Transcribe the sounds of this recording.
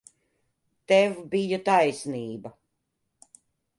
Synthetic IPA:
t̪ɛvbijut̪ajsniːbɐ

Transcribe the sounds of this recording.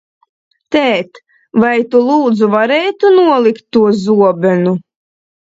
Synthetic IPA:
t̪ɛːt̪ | vajt̪ulˠuːd̪zuvaɾɛːt̪unuɔlˠikt̪ːuɔzuɔbʲɛnu

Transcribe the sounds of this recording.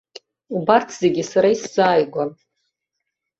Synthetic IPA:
ubartʰz̥e̞ɡʲisaɾaisz̥aːjɡʷan

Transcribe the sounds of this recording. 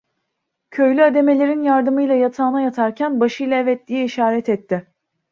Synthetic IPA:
cʰø̞jlʲyad̪e̞me̞lʲe̞ɾinjaɾd̪ɯmɯjlˠajat̪ʰaːnajat̪ʰaɾcʰænbaʃɯjlˠaevɛt̪ːijɛiʃaːɾɛt̪ʰɛt̪ʰːɪ

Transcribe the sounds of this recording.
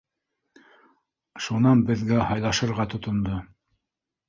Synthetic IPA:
ʃunɑnbɘ̆ðɡæhɑjlˠɑʃɤ̆ɾʁɑt̪ŏt̪ŏnd̪o

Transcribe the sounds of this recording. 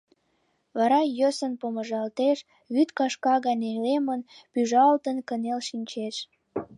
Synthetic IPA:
βɑɾɑjəsənpoməʒɑlt̪eʃ | βyt̪kɑʃkɑɣɑnʲelemənpyʒɑlt̪ənkənelʃinʲt͡ɕeʃ

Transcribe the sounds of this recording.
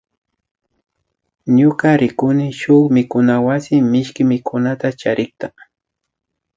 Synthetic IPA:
ɲʊkaɾɪkʊnɪʃʊkmɪkʊnawasɪmɪʃkɪmɪkʰʊnat̪at͡ʃaɾɪkt̪a

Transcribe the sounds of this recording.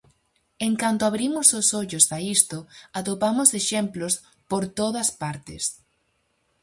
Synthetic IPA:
eŋkant̪oaβɾimʊsosoʎʊsaist̪ʊat̪opamʊseʃɛmplos | poɾt̪oðɐspaɾt̪ɪ̰s

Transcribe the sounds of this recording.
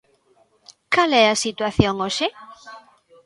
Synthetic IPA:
kalɛasit̪waθjoŋoʃe

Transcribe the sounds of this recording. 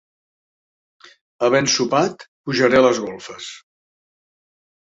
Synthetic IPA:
əβ̞ɛnsupat̪puʒəɾɛləzɣolˠfəs

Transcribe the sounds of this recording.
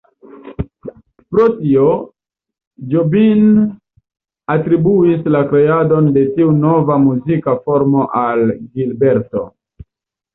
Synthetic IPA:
pɾotio | d͡ʒobin | atɾibuislakɾe̞ado̞nde̞tiuno̞vamuzikafo̞ɾmo̞ʔalɡilbe̞ɾto̞̰

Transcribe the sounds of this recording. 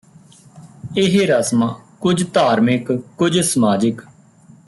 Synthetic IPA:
ɪɦeɾəsmãːkʊd͡ʒt̪aːɾmɪkkʊd͡ʒsəmaːd͡ʒək

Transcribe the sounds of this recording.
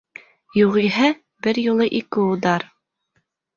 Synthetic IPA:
juʁiɦɘ | bɘɾjulˠɤʔikɘud̪ɑɾ

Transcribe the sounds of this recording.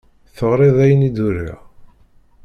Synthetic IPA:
θəʁɾˤeðˤæjənid̪uɾa̰

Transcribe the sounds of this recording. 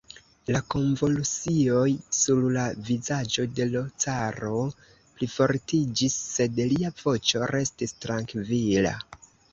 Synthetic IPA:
lako̞ɱvo̞lut͡sio̞jsuɾlavizad͡ʒo̞de̞lo̞t͡saɾo̞ | plifo̞ɾtid͡ʒisːe̞dliav̥o̞t͡ʃo̞ɾʔe̞stistɾaŋkvila̰

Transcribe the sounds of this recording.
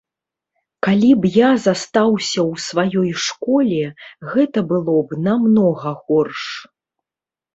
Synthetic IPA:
kalʲibjazast̪awsʲɐwsvajɔjʂkɔlʲɛɣɛt̪ɐbɨlˠɔbnamnɔɣɐɣɔrʂ

